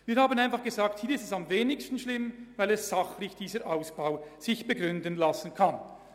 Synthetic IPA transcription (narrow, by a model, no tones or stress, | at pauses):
viːɾhaːbənaɪnfɑχɡ̥əzaːk̚thiːɐɪstɛsamveːnɪçstn̩ʃlɪmvaɪlɛszaχlɪçd̥iːzəɾʔaʊsb̥aʊz̥ɪçb̥əɡʁʏndənlasn̩kʰan